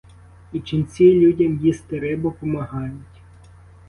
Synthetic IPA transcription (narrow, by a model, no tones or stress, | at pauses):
it͡ʃɪnʲt͡sʲilʲudʲɐmjist̪eɾɪbɔpɔmɐɦɑjʊtʲ